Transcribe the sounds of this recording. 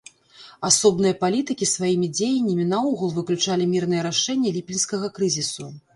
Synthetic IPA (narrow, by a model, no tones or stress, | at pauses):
asɔbnɨjɐpalʲit̪ɨkʲisvajimʲid͡zʲejɐnʲːɐmʲinauɣulˠvɨklʲut͡ʂalʲimʲirnɨjɛɾaʂɛnʲːɛlʲipʲinskɐɣɐkɾɨzʲisu